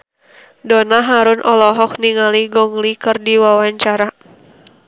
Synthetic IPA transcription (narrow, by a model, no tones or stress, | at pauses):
dɔnaɦaɾʊnʔɔlɔɦɔk̚niŋaliɡɔŋlikərdiwawaɲt͡ʃaɾa